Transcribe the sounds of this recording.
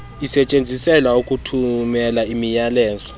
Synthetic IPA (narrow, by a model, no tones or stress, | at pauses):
isɛt͡ʃʼend͡zʱisɛlaukʼutʰumɛlaimijalɛːzɔ